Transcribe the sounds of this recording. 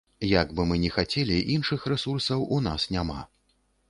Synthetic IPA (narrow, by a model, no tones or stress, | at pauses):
jaɡbɨmɨnʲɛxat͡sʲɛlʲiʔinʂɨxrɛsursɐwʔunasnʲama̰